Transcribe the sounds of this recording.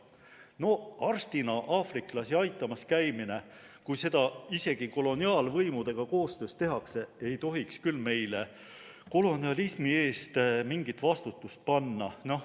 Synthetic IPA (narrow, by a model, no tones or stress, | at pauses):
no̞ɑrst̪inɑʔɑːfriklɑsiɑjt̪ˑːɑmɑskæjmine̞ | kujse̞d̪̥ɑise̞ɡ̥iko̞lo̞niɑːlvɤjmud̪̥e̞ɡ̥ɑko̞ːst̪ø̞ːst̪e̞ɦɑkse̞e̞jt̪o̞ɦikskylme̞jle̞ | ko̞lo̞niɑlismie̞ːst̪miŋɡit̪ːˑvɑst̪ut̪ːˑust̪̚pɑnːɑ̰no̞h